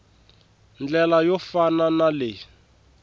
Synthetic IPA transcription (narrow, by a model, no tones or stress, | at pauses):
nd͡ɮɛlajɔfananalɪ